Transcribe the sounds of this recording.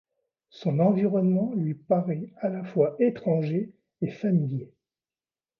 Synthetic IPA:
sɔ̃nɑ̃viʁɔnmɑ̃lɥipaʁɛalafwaʔet̪χɑ̃ʒe | efamilje

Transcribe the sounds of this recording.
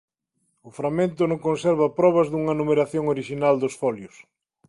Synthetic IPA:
ʊfɾamẽnt̪ʊnõŋkõnseɾβɐpɾɔβɐzðuŋɐnumeɾaθjoŋoɾiʃinald̪ʊsfɔljʊs

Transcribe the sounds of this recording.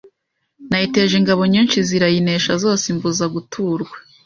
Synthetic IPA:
najite̞ːʒeŋɡaβo̞ɲiːnt͡ʃiziɾajine̞ːʃazo̞ːsiɱvuzaɡutʰuːɾɡwḁ

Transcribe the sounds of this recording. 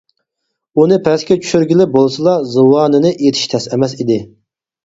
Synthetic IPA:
unɨpʰɛskʲɛt͡ʃʰy̥ʃyɾɡʲilɪp̚bolˠɨsɨlˠɑzɨwɑːnɨnɨʔet̪ʰi̥ʃt̪ʰɛsɛmɛs̬id̪ɪ

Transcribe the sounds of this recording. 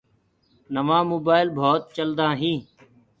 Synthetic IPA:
nəʋãːmoːbaːɪlbʱoːt̪̚t͡ʃəld̪ãːɦĩː

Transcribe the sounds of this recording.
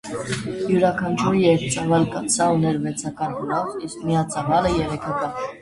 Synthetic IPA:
juɾɑkʰɑnt͡ʃʰuɾijɛkt͡sɑvɑlkɑsɑunɛɾvɛt͡sʰɑkɑɾɡulɔviskmijɑt͡sɑvɑləjɛɾɛkʰɑkɑn

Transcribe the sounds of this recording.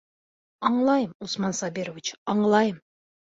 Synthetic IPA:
ɑɴlˠɑjəmusmɑnsɑbʲiɾovʲit͡ɕɑɴlˠɑjəm

